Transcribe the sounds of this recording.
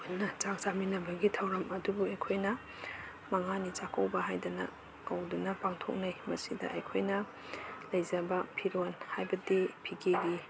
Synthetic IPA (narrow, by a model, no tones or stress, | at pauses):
onɐt͡ʃak̚saminɐbɐɡitʰɐwɾɐmɐdubuɐjkʰojnɐ | mɐŋanit͡ʃakɐwbɐɦajdɐnɐ̰ | kɐwdunɐpaŋtʰo̰k̚najmɐsidɐ̰ʔɐjkʰojnɐ | lɐjzɐbɐpʰiɾonhajbɐdipʰiɡʰiɡi